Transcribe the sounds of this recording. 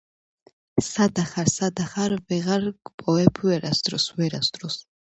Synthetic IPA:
sad̪aχaɾsad̪aχaɾvɛʁaɾɡpʼɔɛpʰwɛɾasd̪ɾɔswɛɾasd̪ɾɔs

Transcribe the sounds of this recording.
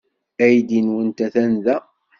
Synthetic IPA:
æjd̪inwənt̪æθænðæ

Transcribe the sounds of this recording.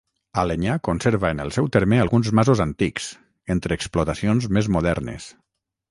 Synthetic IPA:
aleɲakonseɾβaənəlˠsɛwt̪eɾmealˠɣunzmazuzant̪ikz̥ | ent̪ɾeːksplot̪asionzmezmuðɛɾnḛs

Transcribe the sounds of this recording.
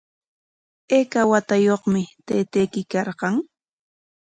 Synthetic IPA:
eːkawat̪ajoχmɪt̪ejt̪ejkɪkɑɾɢɑŋ

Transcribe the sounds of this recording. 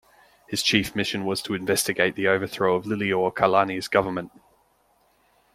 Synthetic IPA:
hɪz̥t͡ʃʰiˑfmɪʃə̃nwɒz̥tʰəɪ̃ɱvɛstɪɡeɪʔðiəʊvəθɹəʊəvlɪliɔkʰəlaniəzɡ̥ʌvəmə̃nʔ

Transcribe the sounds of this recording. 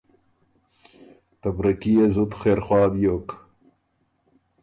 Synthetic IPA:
t̪ɐbɾɐkijezut̪xeːɾxwɑːbijoːk

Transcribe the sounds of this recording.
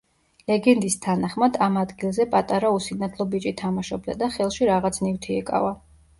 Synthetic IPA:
lɛɡɛnd̪ist̪ʰanaχmad̪amad̪ɡilˠzɛpʼat̪ʼaɾausinat̪ʰlˠɔbit͡ʃʼit̪ʰamaʃɔbd̪a̰d̪aχɛlˠʃiɾaʁat̪sʰnift̪ʰiɛkʼa̰va

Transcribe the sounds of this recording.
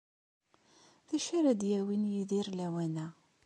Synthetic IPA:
ðæʃaɾæd̪jæwinjiðiɾlæwænæ

